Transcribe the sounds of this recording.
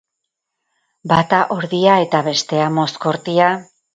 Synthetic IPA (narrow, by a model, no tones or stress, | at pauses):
bat̪aʔo̞ɾðiae̞t̪aβe̞st̪e̞amo̞sko̞ɾt̪ia